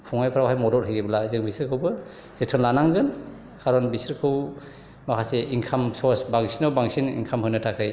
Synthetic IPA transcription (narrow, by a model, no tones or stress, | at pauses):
pʰuŋajpʰɾawɦajmɔdɔtɦʰhɯjɡebɯlazɯŋbisiɾkʰɯwbɯ | z̥etʰɯnlanaŋɡɯn | kʰaɾɔnbisiɾkʰɯw | makʰaseʔiŋkʰamsɔsbaŋsinawbaŋsinḭŋkʰamɦɯnɯtʰakʰɯj